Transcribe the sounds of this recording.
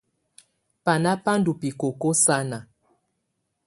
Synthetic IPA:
pa˨na˦pa˦n˦du˨pi˨ko˨ko˦sa˦na˨

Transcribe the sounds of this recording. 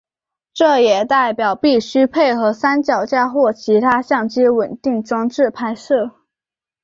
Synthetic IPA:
ʈ͡ʂɤ˥˩jɛ˨˩t̪a˥˩ɪpjɑ˨˩ʊpi˥˩ɕy˥pʰe˥˩ɪxɤ˧˥sa˥nt͡ɕjɑ˨˩ʊt͡ɕja˥xwɔ˥˩t͡ɕʰi˧˥t̪ʰa˥ɕjɑ˥˩ŋt͡ɕi˥wə˨˩nt̪i˥˩ŋʈ͡ʂwɑ˥ŋʈ͡ʂɻ̩˥˩pʰa˥ɪʂɤ˥˩

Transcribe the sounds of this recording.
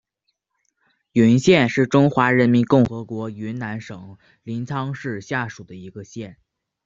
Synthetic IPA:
y˧˥nɕjɛ˥˧nʂɻ̩˥˩ʈ͡ʂʊ˥ŋxwa˧˥ɻə˧˥nmi˧˥nkʊ˥˩ŋxɤ˧˥kwɔ˧˥y˧˥nna˧˥nʂɤ˨˩˦ŋ | li˧˥nt͡sʰɑ˥ŋʂɻ̩˥˧ɕja˥˩ʂu˨˩d̪ə˦i˧˥ɡə˧ɕjɛ˥˩n

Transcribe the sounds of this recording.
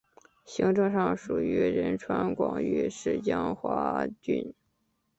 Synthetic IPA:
ɕi˧˥ŋʈ͡ʂɤ˥˧ŋʂɑ˥˩ŋʂu˨˩ɥy˧˥ɻə˧˥nʈ͡ʂʰwa˥nkwɑ̰˨˩ŋy˥ʂɻ̩˥˩t͡ɕjɑ˥ŋxwa̰˧˥t͡ɕy˥˩n

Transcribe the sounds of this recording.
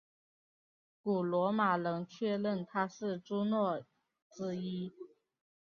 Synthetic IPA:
ku˨˩lwɔ˧˥ma˨˩lɤ˧˥ŋt͡ɕʰɥɛ˥˧lə˥˩nt̪ʰa˥ʂɻ̩˥˩ʈ͡ʂu˥nwɔ˥˩ | t͡sɹ̩˥i˥

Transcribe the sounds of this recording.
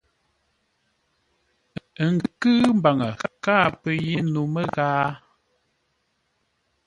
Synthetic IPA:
ə˨ŋɡkɨː˦m˦ba˨ŋə˨kaː˦pə˨je˦nu˨mə˦ɣaː˦

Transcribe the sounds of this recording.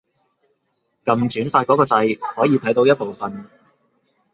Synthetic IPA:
kɐ˧mt͡syː˨˥nfaː˧t̚kɔː˨˥kɔː˧t͡sɐ˧jhɔː˨˥jiː˨˧t̪ʰɐ˨˥jt̪o˧wjɐ˥t̚po˨wfɐ˨n

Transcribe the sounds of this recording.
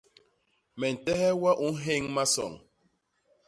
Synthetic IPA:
mɛ˨n̩˨tɛ˦hɛ˦wa˦ʔu˨˦n˦ɦe˦ŋma˦sɔ̰˨ŋ

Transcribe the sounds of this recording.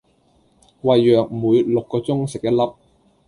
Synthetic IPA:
wɐ˨jːœː˨k̩̚˨muː˨˧jlʊ˨kːɔː˧t͡sʊ˥ŋsɪ˨k̚jɐ˥lɐ˥p̚

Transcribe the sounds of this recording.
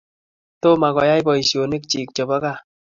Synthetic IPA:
to˦ma˨kɔ˨ja˦jbɔ˨i˨sjo˨ni˦k̚t͡ʃi˨k̚t͡ʃɔ˨ba˦ka˦˨

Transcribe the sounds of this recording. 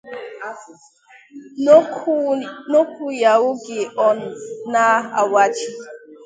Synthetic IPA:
no˦ku˦ja˨wʊ˦ɡe˨ʔɔ˦n̩˨na˦a˨wa˦t͡ʃi˦

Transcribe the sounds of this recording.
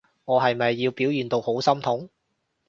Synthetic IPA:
ŋɔː˨˧ɦɐ˨jmɐ˨jːiː˧wpiː˨˥wjyː˨nt̪o˧who˨˥wsɐ˥mt̪ʰʊ˨˥ŋ

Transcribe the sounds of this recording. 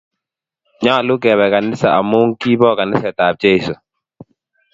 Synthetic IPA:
ɲa˦a˨lʊ˦kɛ˨bɛ˨ka˨nɪ˦sa˨ʔa˨mu˦ŋki˦bɔ˦ka˨nɪ˦sɛ˨ta˨p̚t͡ʃe˦ɪ˨so˨

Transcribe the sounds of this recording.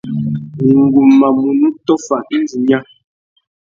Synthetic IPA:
i˨ŋ˨ɡu˨mːa˨mu˨nu˦tɔ˦fa˨n̩˦d͡zi˨ɲa˦

